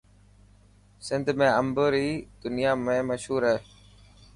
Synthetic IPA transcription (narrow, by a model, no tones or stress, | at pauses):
sɪnd̪ʱmẽːəmbəːɾiːd̪ʊnɪjaːmẽːməʃɦuːɾɛː